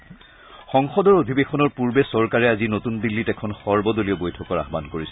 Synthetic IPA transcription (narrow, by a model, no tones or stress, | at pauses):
xɔŋxɔdɔɹodʱibexʰɔnɔɹpuɹbɛsɔɹkaɹɛazinotundilːitɛkʰɔnxɔɹbɔdolijɔbojtʰɔkɔɹa̰ɦbankoɹisɛ